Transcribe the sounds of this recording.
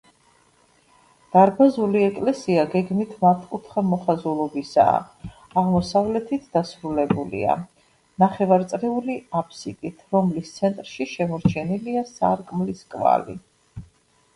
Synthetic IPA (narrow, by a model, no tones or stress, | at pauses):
d̪̥aɾbazuliɛkʼlɛsiaɡɛɡmit̪ʰmat̪ʰkʼut̪ʰχamɔχazulˠɔbisa̰ː | aʁmɔsavlɛt̪ʰit̪ʰd̪̥asɾulɛbulḭa̰ | naχɛvaɾt̪sʼɾɛuliapʰsit̪ʼit̪ʰɾɔmlist̪sʰɛnt̪ʼɾʃiʃɛmɔɾt͡ʃʰɛniliasa̰ɾkʼmliskʼva̰lḭ